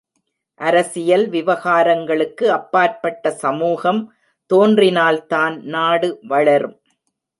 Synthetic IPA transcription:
ʔɐɾɐsɪjɐlʋɪʋɐɣaːɾɐŋɡɐɭɯkːɯɐpːaːɾpɐʈːɐsɐmuːɣɐm | t̪oːndrɪnaːlt̪aːnnaːɽɯʋɐɭɐɾɯm

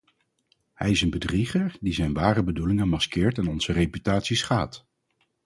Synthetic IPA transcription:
hɛjɪsənbədriχəɹdizɛjnʋaːrəbədulɪŋənmɑskɪːɹtɛnɔnz̥ərepytaːtsisχaːt

